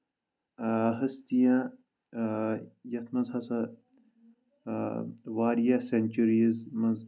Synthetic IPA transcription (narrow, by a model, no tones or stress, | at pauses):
ɦɐst̪ijã | jɐt̪ʰmɐzhɐsɐ | waːɾijasenʲt͡ʃuɾizmɐz